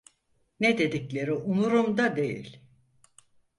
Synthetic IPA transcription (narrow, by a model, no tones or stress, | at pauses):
ned̪e̞d̪iclʲe̞ɾiunuɾumd̪ad̪e̞jḭlʲ